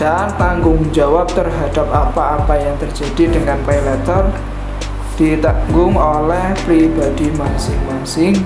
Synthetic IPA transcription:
d̥ant̪aŋɡʊŋd͡ʒawap̚t̪ərɦad̥ap̚apaːpajaŋt̪ər̥d͡ʒ̥a̤d̥idəŋanpalɛt̪ɔr | d̥it̪aŋɡʊŋolɛhpɾibad̥imansɪŋmansɪŋ

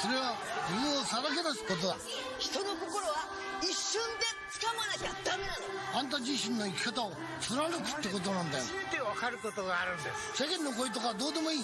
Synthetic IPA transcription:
so̞ɾe̞βad͡ʑibɯ̃osaɾak̬e̞nasi̥ko̞t̪̬od̪a | çi̥t̪o̞no̞ko̞ko̞ɾoβa | iɕːõnd̪e̞t͡sɨ̥kamanakʲad̪ame̞nanoãnt̪̬ad͡ʑiɕĩnːo̞ikʲi̥kat̪ao | t͡sɨɾaɾɯkɯ̟̥t̪ːeko̞t̪̬o̞nãnd̪ajot̪eβakaɾɯ̟kot̪oɡaːɾɯ̟̃nd̪ḛsɕakẽ̞nːo̞ko̞it̪o̞kaβad̪o̞ːd̪e̞mo̞iː

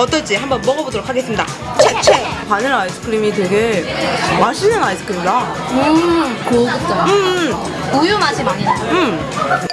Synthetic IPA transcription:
ʌt͈ʌɭt͡ɕ͈iɦambʌnmʌɡʌbodoɾokʰaɡe̞s͈ɯmɲida̰ | t͡ɕʰet͡ɕʰepanɯnais͈ɯ̥kʰɯɾimite̞ɡe | maɕʰinɯnais͈ʰɯ̥kʰɯɾimda | kt͈ɯ | ujomad͡ʑimaniɯm

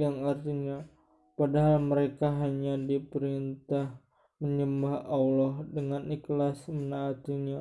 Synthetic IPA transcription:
jaŋart̪iɲa | padaɦalməɾekaɦaɲadipəɾint̪ah | məɲəmbahalɔhdəŋaniklasmənaːt̪iɲa

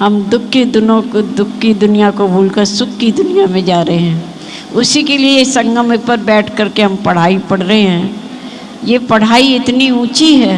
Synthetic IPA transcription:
ɦɐmd̪ʊkʰːid̪ʊnõkd̪ʊkːid̪ʊnijakobʱuːlkɐɾsʊkːid̪ʊnijamẽd͡ʒaːɾɐɦeɦɛ̃ː | ʊsikeliesɐ̃ŋɡəmepɐɾbɛːʈʰkɐɾkeɦɐmpɐɽ̤aːipɐɽɾɐɦeɦɛ̃ː | jepɐɽ̤aːiɪt̪niũːt͡ʃiɦɛː

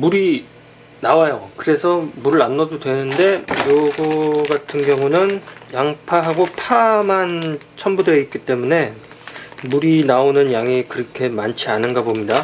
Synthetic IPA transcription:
muɾi | nawajakɯɾe̞sʰʌmuɾɯɾanːʌdodwe̞nɯnde̞joɡuɡatʰɯnɡjʌŋunɯnjaŋpʰaɦaɡopʰamant͡ɕʰʌnbudeik̚k͈it͈e̞mune̞ | muɾinaonɯnjaŋikɯɾʌkʰe̞mant͡ɕʰianɯnɡabomɲida

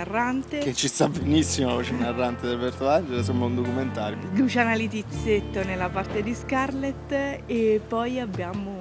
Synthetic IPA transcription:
arːant̪eket͡ʃːist̪abenisːimoɔt͡ʃenːarːant̪ed̪elbɛrt̪oand͡ʒeɾas̬omaund̪okument̪aːɾjoiɡut͡ʃanalit̪it̪sːet̪ːonelːapart̪ed̪iskarlet̪ːepːɔjabːjaːmo

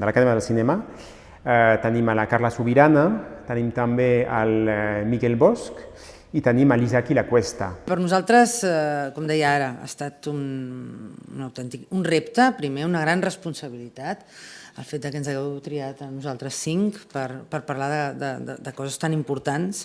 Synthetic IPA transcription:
d̪əlakaðɛmaðəlsinɛma | ɛt̪əniməlakaɾlasuβiɾanat̪ənimt̪əmbeəlmikɛlβɔsk | it̪əniməlizakilakwɛst̪apəɾnuzalˠt̪ɾəsɛkɔmd̪ɛjəaɾəa̰st̪at̪un | unəwt̪ɛnt̪ikunrept̪əpɾimeunəɣɾanrəspunsəβ̞ilit̪at̪əlˠfet̪d̪əkənzaɣɛwt̪ɾiat̪ənuzalˠt̪ɾəsːiŋkpəɾpəɾpərlaðəd̪əd̪ə̰d̪əkɔzəst̪animpuɾt̪ans

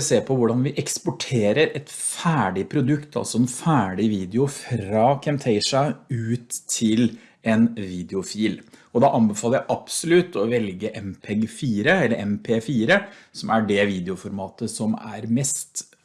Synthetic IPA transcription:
seːpʰɔʋʊɖɑnʋɪʔɛkspɔʈʰeːɾəɾɛt̪fæːɖɪpʰɾʊd̪ʉkt̪ʰɑ̰lsɔɛnfæːɖɪʋiːd̪ɛʊfɾɑkʰɛmt̪ʰɛɪʂɑʉːt̪ʰːɪl | ɛnʋiːd̪ɛʊfiːlɔd̪ɑʔɑnbəfɑːlˠəjæɪʔɑpsɔlʉt̪ʰːɔʋɛlɡəʔɛmpʰɛɡfiːɾəɛlːəɾʔɛmpʰeːfiːɾəsɔmæɖɛʋiːd̪ɪʊfɔɾmɑːt̪əsɔmæ̰ɾmɛst̪

